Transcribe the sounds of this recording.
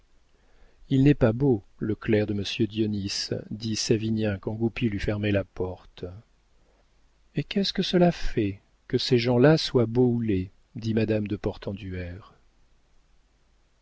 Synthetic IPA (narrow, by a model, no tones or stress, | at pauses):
ilnɛpaboləklɛʁd̪əməsjød̪jɔnisd̪isavinjɛ̃kɑ̃ɡupilɥyfɛʁmɛlapɔʁt̪ | ekʲɛskəsəlafɛ | kəseʒɑ̃laswaboule | d̪imad̪amd̪əpɔʁt̪ɑ̃d̪yɛʁ